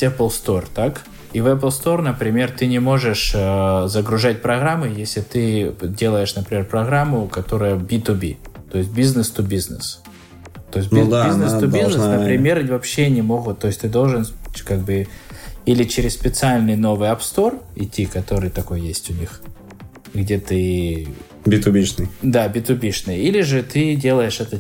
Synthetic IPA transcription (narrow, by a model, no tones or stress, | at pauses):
ɛplˠst̪o̞rt̪ak | ivɛp̬lˠst̪o̞rnəpɾʲɪmʲe̞rt̪ɨnʲɪmo̞ʐɨʂəzəɡɾʊʐat̚ʲpɾɐɣɾamːɨjesʲlʲɪt̪ɨdʲe̞lˠəjɪʂnəpɾʲɪmʲe̞rpɾɐɣɾamːʊkɐt̪o̞ɾɨjəbʲit̪ʊbʲḭt̪o̞ɪsʲt̚ʲbʲiznɨst̪ubʲiznɨs | t̪o̞ɪs̬ʲnʲbiznɨst̪ubʲiznəsnəpɾʲɪmʲe̞ɾʲvɐpɕːenʲɪmo̞ɣʊt̪̚t̪ːo̞jɪsʲt̪ɨd̪o̞lˠʐɨnkaɡ̚bɨ | ilʲɪt͡ɕɪɾʲɪsspʲɪt̪sɨalʲnɨjno̞vɨjɐpst̪o̞rɪtʲːikɐt̪o̞ɾɨjt̪ɐko̞jjesʲtʲʊnʲix | ɡdʲe̞t̪ɨi | bʲit̪ʊbʲiʂnɨjd̪abʲɪt̪ʊbʲiʂnɨjilʲɪʐɨt̪ɨdʲe̞lˠəjɪʂɛt̪ə